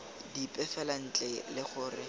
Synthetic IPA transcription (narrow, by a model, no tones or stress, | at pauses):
dipʼɛfɛlan̩t͡ɬʼɛlɪχʊːrɪ